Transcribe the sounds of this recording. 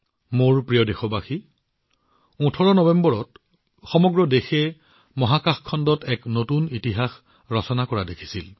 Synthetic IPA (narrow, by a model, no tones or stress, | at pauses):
moɹpɹijɔdexɔbaxi | ũtʰɔɹɔnɔbɛmbɔɹɔt | xɔmɔɡɹɔdexɛ | mɔɦakaxkʰːɔndɔtɛknotunitiɦax | ɹɔsɔnakɔɹadekʰi̥sil